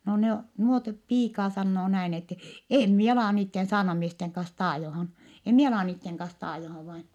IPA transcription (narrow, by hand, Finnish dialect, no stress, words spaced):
no ne o nuot piːkɑː sɑnːoː næin etːe em mie ɑlɑˑ niːtːen sɑːrnɑmiesteŋ kɑns tɑːjohɑn em mie ɑlɑˑ niːtːeŋ kɑns tɑːjohɑʋ ʋɑin